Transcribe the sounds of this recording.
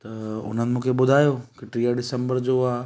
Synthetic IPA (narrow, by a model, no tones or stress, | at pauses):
t̪ɐʊ̰n̤ənɪ̆mũːkʰebʊd̪ʱaːjoːkɪʈɾiːaɖɪsə̃mbəɾd͡ʑoaː